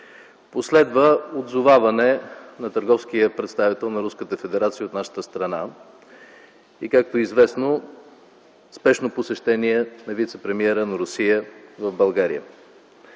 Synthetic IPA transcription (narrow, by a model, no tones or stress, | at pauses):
poslɛd̪vəod̪zovavɐnɛnɐt̪əɾɡɔfskijəpɾɛt̪st̪avit̪ɛlˠnɐɾuskət̪əfɛd̪ɛɾat̪sijəot̪naʃə̥t̪əst̪ɾɐna | ikak̚t̪oizvɛsno | spɛʃnoposɛʃt̪ɛniɛnɐvit̪sɛpɾɛmiɛɾənɐɾʊsijəvəvbɐlˠɡaɾḭjə̰